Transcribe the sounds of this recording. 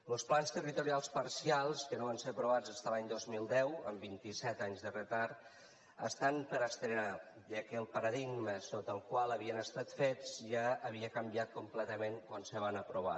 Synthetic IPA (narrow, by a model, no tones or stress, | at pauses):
ləlˠsplanst̪ərit̪uɾialˠspaɾsialˠskənoβanseəpɾuβ̞ad͡zast̪alaɲd̪ozmilˠd̪ɛwə̰mbint̪isɛt̪aɲzðərət̪aɾ | ə̰st̪ampəɾəst̪ɾəna | ʒakəlˠpəɾəðiɡməsot̪əlˠkwalˠəβiənəst̪at̪fet͡sʒaəβiəkəmbiat̪̚kumplɛt̪əmeŋkwansəβanəpɾuβa̰